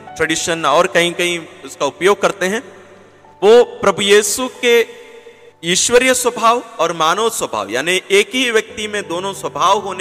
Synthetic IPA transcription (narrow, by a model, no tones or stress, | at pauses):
ʈɾəɖiːʃənɔːɾkɐɦĩkɐɦĩʊskaʊpjoːɡ̚kɐɾt̪eɦɛ̃ː | ʋoːpɾɐbujiːsuke | iːʃwəɾjəswɐbʱaːʋɔːɾmaːnəʋswɐbʱa̰ːʋja̰ːniʔeːkɦiʋjɐk̚t̪imẽd̪oːnõswɐbʱaːʋɦoːne